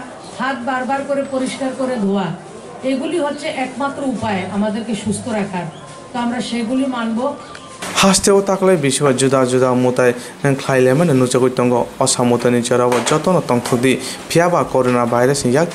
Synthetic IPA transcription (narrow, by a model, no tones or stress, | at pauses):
hat̪̚baɾbaɾkoɾepoɾiʃkaɾkoɾed̪ʱoa | eɡuliɦotːɕʰeʔɛkmat̪ːɾoupaeamad̪eɾkeʃust̪ʰoɾakʰaɾ | t̪oamɾaʃeɡulimanbo | hast̪eot̪aklajbiʃibad͡ʒud̪ad͡ʒud̪amut̪aj | nŋkʰlajlajmanenut͡ʃaɡut̪ːɔŋɡɔɔsamut̪anit͡ʃaɾɔbɔd͡ʒɔt̪ɔnɔt̪ɔŋt̪ʰɔk̚d̪ipʰijabakɔɾonabajɾasjaɡ